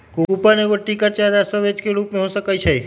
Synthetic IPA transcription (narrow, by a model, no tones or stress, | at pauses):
kukupaneʋəʈːikəɾt͡ʃad̪asəʋed͡ʒkeɭupmẽɦõsəkajt͡ʃʰej